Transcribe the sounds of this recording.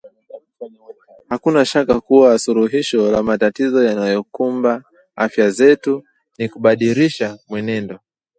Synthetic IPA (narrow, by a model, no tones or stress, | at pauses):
hakunaʃakakuwasuɾuɦiʃɔlamatatizɔjanajɔkumba | afjazɛtu | nikuɓaɗiɾiʃamwɛnɛndɔ